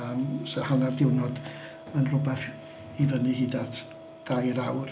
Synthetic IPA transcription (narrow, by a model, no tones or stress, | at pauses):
amsəhanardɪwnɔd̥ | ənrʊbɛθ | ivənɨhidatʰ | d̥ajɾawr